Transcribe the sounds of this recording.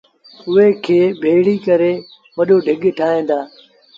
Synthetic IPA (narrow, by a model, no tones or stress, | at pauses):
ʊɦekʰeːbʱeːɭikɐɾeː | ʋɐɗoːɖʱɪɠʈʰaːɦẽːnd̪aː